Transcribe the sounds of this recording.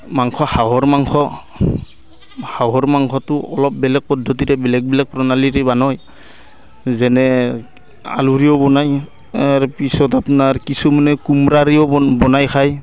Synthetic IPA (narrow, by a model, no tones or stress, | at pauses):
maŋxʰɔhaɦɔɹmaŋxʰɔ | hawɦɔɹmaŋkʰɔtʊɔlɔp̚bɛlɛk̚pɔdʱːɔt̬iɾɛbɛlɛk̚bɛlɛkpɹɔnaliɾɛbanɔj | zɛnɛ | a̰luɹiɔbɔnaj | aɹpisɔtapnaɹkisumɔnɛkumɾaɹiɔbɔnajkʰaj